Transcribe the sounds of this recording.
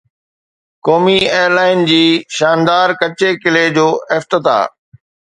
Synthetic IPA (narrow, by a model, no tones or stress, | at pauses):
kɔːmieːjəɾlaːɪnd͡ʑiːʃaːnd̪aːɾkɐt͡ɕekɪled͡ʑoːʔɪft̪ɪt̪a̰ː